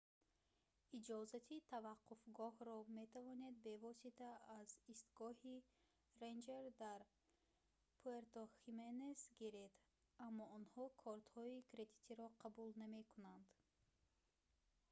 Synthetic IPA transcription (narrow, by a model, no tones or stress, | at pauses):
id͡ʒɔzat̪ʰit̪ʰavaqːufɡɔhɾɔme̞t̪ʰavɔne̞d̪̚be̞vɔsit̪ʰaːzist̪ɡɔhi | ɾend͡ʒeɾd̪aɾ | pʰoeɾt̪oximenesɡiɾed̪ | amːɔɔnhɔkʰɔɾt̪hɔikɾe̞d̪i̥t̪ʰiɾɔqʰabulname̞kʰunand̪